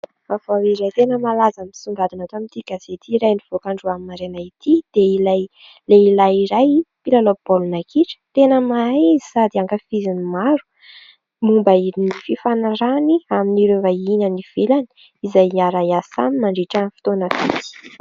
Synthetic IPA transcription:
avawiɾajt̪enəmalazamisuɳɡad̪unat̪amint̪ikaz̥et̪ʰiɾajniv̥okaɳɖ͡ʐuaminaɾenait̪ʰid̪̥eilaj | leilajiɾajpilalob̥olunakiʈ͡ʂə̥t̪enəmaizisad̪iaŋkəfizinimaɾu̥ | mumbaiinififanaɾaniaminiɾevainəniv̥elan | izajaɾajasa̰mimaɳɖ͡ʐiʈ͡ʂanfi̥t̪onəfit͡si̥

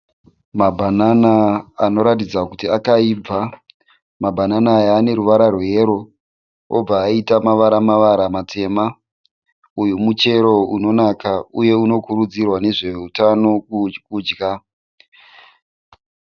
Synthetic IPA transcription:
mabʱananaano̞ɾatid͡zakutiakaib͡va | mabʱananaːjaːne̞ɾuʋaɾarwe̞ɾo̞ | o̰b͡vaːitamaʋaɾamaʋaɾamatʰe̞ːma | ujumut͡ʃe̞ɾo̞uno̞nakauje̞uno̞kuɾud͡zirwane̞ʐe̞utano̞kud͡ʒɡa

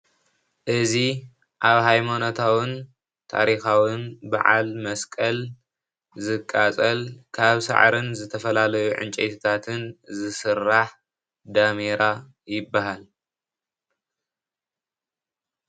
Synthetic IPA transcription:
ʔɨzi | ʔaβɦajmanot̪ʰawɨn | t̪ʰa̰ɾixawɨnba̰ʕa̰lmɐskʼɐl | zɨkʼːat͡sʼɐlkʰaβsa̰ʕɾɨnzɨt̪ʰɐfɐlalɐjuʕɨ̰nt͡ʃʼet̪ʰit̪ʰat̪ʰɨnzɨsɨrːaħ | d̪ameɾa | jɪbːaɦal

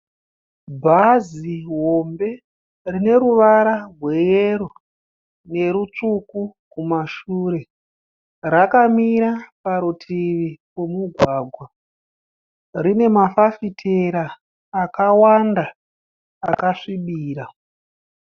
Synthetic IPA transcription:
bʱaziɦo̞mbe̞ | rine̞ɾuʋaɾarwe̞jeɾo | ne̞ɾut͡ʂukukumaʃuːɾe̞ | rakamiɾapaɾutʰiʋikwomuɡʱwaːɡʱwa | rine̞mafafitʰeɾaː | kawandaː | kaʂiɓiːɾa

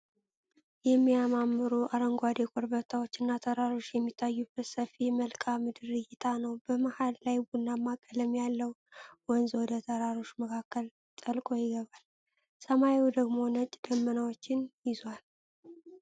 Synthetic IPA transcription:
jɛmːijamamːɨɾuʔaɾəŋɡʷad̪ekʷʼoɾbət̪ʰawo̞t͡ʃːɪnːat̪ʰəɾaɾo̞t͡ʃːjɛmːit̪ʰːajːubət̪səfiməlkʼamɨd̪ɨɾɨjɪt̪ʰanəwbəmahallajbunːamːakʼələmjalːəwwɔnzwɔd̪ət̪ʰəɾaɾo̞t͡ʃːməkʰakːəl | t̪ʼəlkʼo̞jɪɡəβal | səmaewd̪əɡmo̞nət͡ʃʼːd̪̥əmːənawot͡ʃːɪnjɪzwal

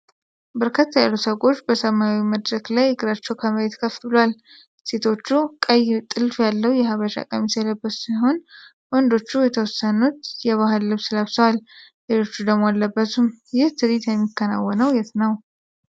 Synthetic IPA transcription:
bəɾkʰat̪ʰːajalːusəɡʼo̞t͡ʃːbəsəmawiməd̪ɾəɡlajɨɡɨɾat͡ʃːɛwkʰəməɾet̪kʰəft̪bɨlowal | se̞t̪ʰo̞t͡ʃːukʼəjt̪ʼɨlfjalːəwjɛɦaβəʃa̰kʼəmisələbːət̪siɦo̞n | wɔnd̪o̞t͡ʃːujɛt̪ʰəwɔsːənut̪jɛβaɦɨlːɨβsɨləβsəwal | lelo̞t͡ʃːud̪əmoalːəbːət̪ʰumjɪht̪ʰɨd̪it̪jɛmːikʰːəna̰wːənəwjɛt̪nəw

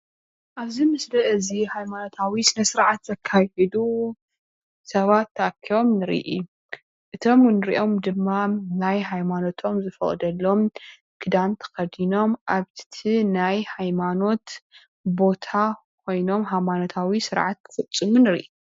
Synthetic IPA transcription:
ʔaβzimɨslɐʔɨzihajmano̞t̪ʰawisɨnɐsɨɾʕat̪zɐkʰːahɛd̪u | sɐβat̪ʰːɐakʰːio̞mnɨɾḭʔḭ | ʔɨt̪ʰo̞mnɨɾḭʔo̞md̪ɨmːanajɦajmano̞t̪ʰo̞mzɨfɐχʼd̪ɐlːo̞m | kʰɨd̪ant̪ʰɐ̥xɐd̪ino̞mʔaβt̪ʰinajhajmano̞t̪ | bo̞t̪ʰa | kʷʰo̞jno̞mɦajmano̞t̪ʰawisɨɾʕat̪̚kʰɨ̥fɨt͡sʼːɨmunɨɾḭʔu

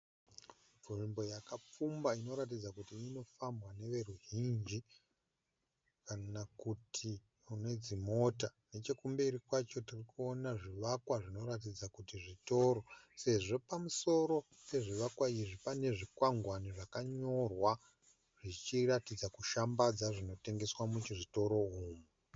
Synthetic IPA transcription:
vuʐimbo̞jakap͡fumbaino̞ɾat̬id͡zakutiːno̞fambwane̞ʋe̞ruɦind͡ʒi | kanakutʰi | une̞d͡zimo̞tane̞t͡ʃe̞kumberikwat͡ʃo̞tirikuonaʐiʋakwaʐino̞ɾat̬id͡zakutiʐito̞ɾo̞se̞ʐo̞pamuso̞ɾo̞ | pe̞ʐiʋakwaiʐipane̞ʐikwaŋɡwaniʐakaɲo̞rwa | ʐ̥it͡ʃiratid͡zakuʃambad͡zaʐino̞te̞ŋɡe̞swamut͡ʃiʐito̞ɾo̞ɦuːmu

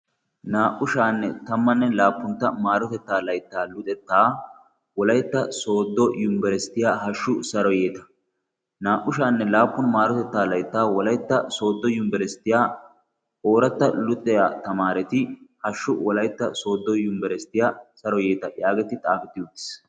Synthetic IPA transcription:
naːʔʊʃaːnːɛt̪ɐmːɐnːɛlaːpːʊnt̪ːɐmaːɾɔt̪ɛt̪ːaːlɐjt̪ːaːlʊt̪ʼɛt̪ːaː | wɔlɐjt̪ːɐso̞ːd̪ːɔjʊmbɛɾɛst̪ːɪjaːɦɐʃːʊsɐɾɔjeːt̪ɐ̥ | naːʔʊʃaːnːɛlaːpːʊnmaːɾɔt̪ɛt̪ːaːlɐjt̪ːaːwɔlɐjt̪ːɐso̞ːd̪ːɔjʊmbɛɾɛst̪ːɪjaː | o̞ːɾɐt̪ːɐlʊt̪ʼːɛjat̪ɐmaːɾɛt̪ɪhɐʃːʊwɔlɐjt̪ːɐso̞ːd̪ːɔjʊmbɛɾɛst̪ːɪjaːsɐɾɔjeːt̪ɐjaːɡɛt̪ɪt̪ʼaːfɛt̪ːɪʊd̪ɪs

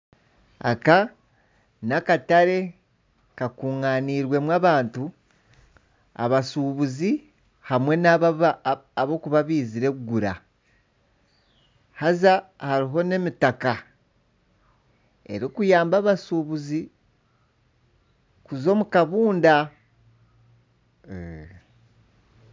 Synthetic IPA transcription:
a̰ka | nakataɾe̞ | kakuːŋaniːɾwe̞mwaːβaːntu | a̰βasuβuzi | hamwe̞na | βo̞kuβaβiːziɾe̞kuɡuɾa̰ | hazahaɾiɦo̞ne̞mitaka | e̞̰ɾikujaːmbaːβasuːβuzi | kuzo̞mukaβuːnda | e

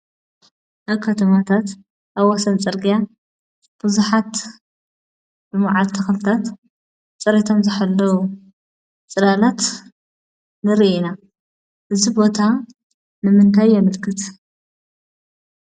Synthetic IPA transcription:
ʔaβkʰɐt̪ʰɐmat̪ʰat̪ | ʔaβwasɐnt͡sʼɨɾɡija | b̥ɨzuħat̪ | bɨmaʕalt̪ʰɐxlɨt̪ʰat̪ | t͡sʼɨɾit̪ʰo̞mzɨħalːɐwu | t͡sʼɨlalat̪ | nɨɾiʔina | ʔɨzibo̞t̪ʰa | nɨmɨnt̪ʰajːɐmɨlkʰɨt̪

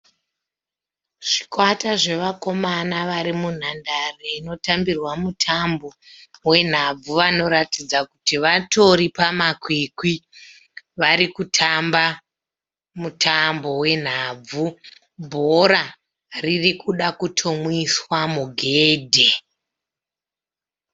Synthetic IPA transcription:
ʐ̥i̥kwataʐe̞ʋako̞manaʋaɾimun̤andareino̞tambirwamutʰambo̞we̞n̤ab͡vuʋano̞ɾatid͡zakutiʋato̞ɾipamakwikwi | ʋaɾikutʰamba | mutʰambo̞we̞n̤aːb͡vu | bʱoɾa | ririkuɗakutʰomwiswamuɡʱeːdʱe

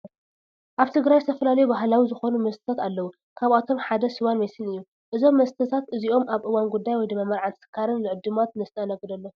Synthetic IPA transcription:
ʔaβt̪ʰɨɡɾajzɨt̪ʰɐfɐlalɐjubaɦlawizɨxo̞numɐst̪ɨ̥t̪ʰat̪alːɐwu | kʰaβat̪ʰo̞mħad̪ɐsɨwanmɐjsɨnɨjːu | ʔɨzo̞mːɐst̪ʰɐt̪ʰat̪ʔɨziʔo̞mʔaβʔɨwanɡud̪ːajwɔjd̪ɨmːamɐɾʕansɨ̥kʰːaɾɨnlɨʕɨd̪ːɨmat̪nɐst̪ʰɨanɐɡd̪ɐlːo

